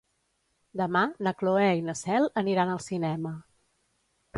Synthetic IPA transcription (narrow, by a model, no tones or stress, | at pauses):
d̪əmanəkloɛinəsɛlˠəniɾanəlˠsinɛmə